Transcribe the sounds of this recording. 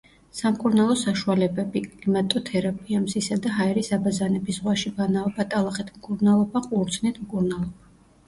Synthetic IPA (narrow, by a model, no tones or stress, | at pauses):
samkʼuɾnalˠɔsaʃualɛbɛbikʼlimat̪ʼɔt̪ʰɛɾapʰʼiamsisad̪aɦaɛɾisabazanɛbisʁwaʃibanaɔbat̪ʼalˠaχɛt̪ʰmkʼuɾnalˠɔbaqʼuɾd̪sʰnɛt̪ʰmkʼuɾnalˠɔba